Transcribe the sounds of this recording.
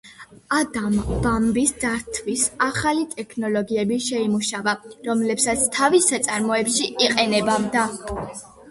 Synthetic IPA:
ad̪ambambisd̪d̪aɾt̪ʰvisaχalit̪ʼɛkʰnɔlɔɡiɛbiʃɛimuʃavaɾɔmlɛpsat̪sʰt̪ʰavisat̪sʼaɾmɔɛpʃiʔiqʼɛnɛbavd̪a

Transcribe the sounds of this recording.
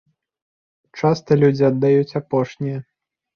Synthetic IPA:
t͡ʂast̪ɐlʲud͡zʲiɐd̪ːajut͡sʲapɔʂnʲijɐ

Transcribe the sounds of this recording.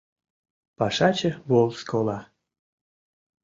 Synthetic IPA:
pɑʃɑt͡ɕəβolˠskʰolɑ

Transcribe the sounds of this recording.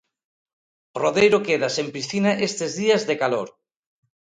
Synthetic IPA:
roðejɾokeðasempisθinaʔest̪ezðiazðekaloɾ

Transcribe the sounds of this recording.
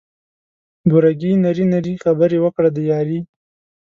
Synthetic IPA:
ɡuɾaɡinaɾinaɾixabəɾewəkɽad̪əjɑɾi

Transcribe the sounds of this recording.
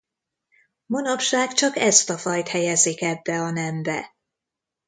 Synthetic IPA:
monɒpʃaːɡt͡ʃɒkɛst̪ɒfɒjt̪hɛjɛzikɛbːɛɒnɛmbɛ

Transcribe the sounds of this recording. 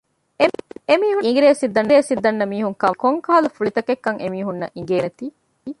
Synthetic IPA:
emiːɦuiŋɡɾeːsid̪ɐnɾeːsid̪ːɐnːɐmiːɦuŋkɐkoŋkaːɐlɐfuɭit̪ɐkekːɐŋʔemiːɦunːɐ̰ʔiŋ̆ɡeːnet̪iː

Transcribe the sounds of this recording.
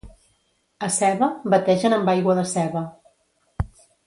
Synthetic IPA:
əsɛβəbət̪ɛʒənəmbajɣwəðəsɛβə

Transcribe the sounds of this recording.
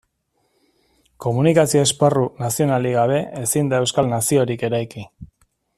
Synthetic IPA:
ko̞munikasioesparunasio̞naliɣaβ̞e̞esind̪ae̞wskalnasio̞ɾike̞ɾajki

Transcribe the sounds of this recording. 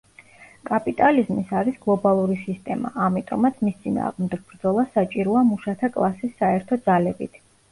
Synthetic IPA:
kʼapʼit̪ʼalizmisaɾisɡlˠɔbalˠuɾisist̪ʼɛma̰ʔamit̪ʼɔ̰mat̪sʰmist̪sʼina̰ːʁmd̪ɛɡ̚bɾd̪zɔlˠasat͡ʃʼiɾɔamuʃat̪ʰakʼlˠasisːaɛɾt̪ʰɔd̪zalɛbḭt̪ʰ

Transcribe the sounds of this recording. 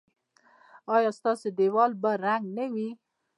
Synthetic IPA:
ɑjɑst̪ɑsed̪ewɑlbaɾaŋɡnawi

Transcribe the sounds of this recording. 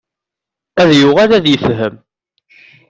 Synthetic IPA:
æðjʊʁælæðjəfɦəm

